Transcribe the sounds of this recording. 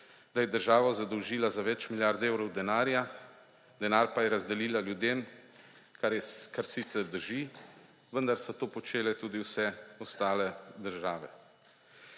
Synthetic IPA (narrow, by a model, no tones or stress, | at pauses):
d̪ajɛd̪əɾʒaːʋazad̪ɔwʒiːlazaʋɛt͡ʃmiljaɾd̪ewɾɔwd̪ɛnaːɾja | d̪ɛnaːɾpajɛɾazd̪ɛliːlaljud̪em | kaɛkaɾsiːt̪sɛɾd̪əɾʒi | ʋənd̪aɾsɔt̪oːpɔt͡ʃeːlɛt̪uːd̪iwsɛɔst̪aːlɛd̪əɾʒaːʋɛ̰